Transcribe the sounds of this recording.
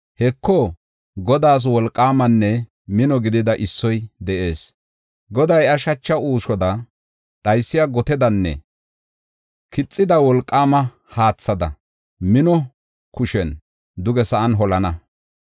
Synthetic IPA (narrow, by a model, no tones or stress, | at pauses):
hɛkːɔ | ɡɔd̪aːs̬wɔlkʼːaːmɐnːɛ | mɪnɔɡɪd̪ɪd̪ɐʔɪsːɔjd̪ɛʔe̞ːs | ɡɔd̪ɐjɐʃɐt͡ʃːɐuːʃɔd̪ɐ | ɗɐjsːɪjaɡɔt̪ɛd̪ɐnːɛ̰ | kɪt͡sʼːɪd̪ɐwɔlkʼːaːmɐ | haːt͡sːɐd̪ɐ̰ | mɪnɔ | kʊʃɛn | d̪ʊɡɛsɐʔɐnɦɔlɐnɐ